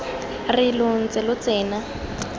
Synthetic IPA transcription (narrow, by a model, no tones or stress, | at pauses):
rɪlʊn̩t͡sɪlʊt͡sɛːna